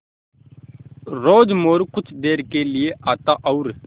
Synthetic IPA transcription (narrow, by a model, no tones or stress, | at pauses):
ɾoːd͡ʒmoːɾkʊt͡ʃʰd̪eːɾkelieʔaːt̪aːʔɔʊɾ